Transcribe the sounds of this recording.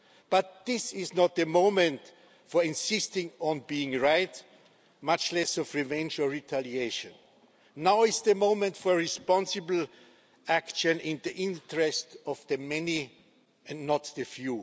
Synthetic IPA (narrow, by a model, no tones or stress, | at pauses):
b̥at̪̚ðɪsɪznɔt̪̚ðɨmõʊ̃mɨ̃nt | fɔ˞ɪ̃nsɪstɪ̃ŋɔ̃nbiɪ̃ŋɹaɪt | mat͡ʃlɛsɔvɹivɛ̃nd͡ʒɔɹitʰælieʃɨ̰̃nː | aʊɪsðɨmõʊ̃mɨ̃ntfɔɹɪspɑ̃nsɨbl̩ | ækʃɨ̃nɪ̃nðiʔɪ̃ntəɹɛstɔvðɨmɛni | ɨ̃nnɔt̪̚ðɨfju